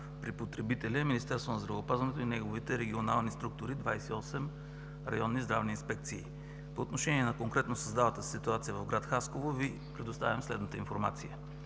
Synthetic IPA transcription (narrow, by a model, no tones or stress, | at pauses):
pɾipot̪ɾɛbit̪ɛlʲiminist̪ɛɾst̪vonɐzd̪ɾɐvɛopazvɐnɛt̪oinɛɡovit̪ɛɾɛɡʲionalˠnist̪ɾuk̚t̪ʊɾid̪vajsɛiɔsɛm | ɾɐ̰jɔnːizd̪ɾavniːnspɛk̚t̪siː | poːt̪noʃɛniɛnɐkoŋkɾɛt̪nosɐzd̪avət̪əssit̪uat̪sijəvɐvɡɾat̪xaskovovi | pɾɛd̪ost̪avʲəmslɛd̪nət̪əinfoɾma̰t̪sijə